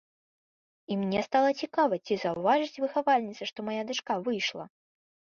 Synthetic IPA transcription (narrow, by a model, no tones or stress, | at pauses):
imnʲɛst̪alˠɐt͡sʲikavɐt͡sʲizɐwvaʐɨt͡sʲvɨxavalʲnʲit̪sɐʂt̪ɔmajad̪ɨʂkavɨjʂlˠɐ̰